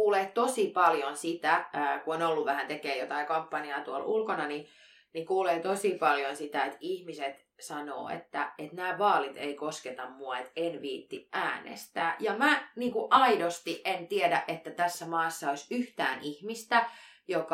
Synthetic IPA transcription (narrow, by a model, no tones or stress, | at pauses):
uːleːtt̪osipɑljonsit̪ækuonolːuʋʋæhænt̪ekeːjot̪ɑikɑmpːɑniɑt̪uolulkonɑni | nikuːleːt̪osipɑljonsit̪æet̪ihmiset̪ | sɑno̰ːḛt̪ːæet̪næːʋɑːlit̪eikosket̪ɑmmuɑet̪enʋiːt̪ːiʔæːnḛst̪æːjɑmæniːŋkuʔɑidost̪iʔʔent̪iedæʔʔet̪ːæt̪æsːæmɑːsːɑoisyht̪æːnʔihmist̪æ | jok